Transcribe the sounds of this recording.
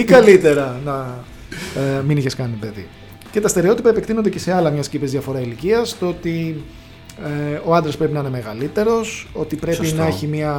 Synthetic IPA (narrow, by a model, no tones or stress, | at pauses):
iɡɐlit̪e̞ɾɐnɐ | miniçe̞skɐnipeðḭ | ce̞t̪ɐst̪e̞ɾeo̞t̪ipɐepekt̪inond̪ece̞se̞ɐlɐmɲɐscipezðiɐfo̞ɾɐiliciɐst̪oo̞t̪i | eo̞ɐnd̪ɾɐspɾe̞pinɐine̞me̞ɣɐlit̪e̞ɾo̞so̞t̪ipɾe̞pinɐeçimiɐ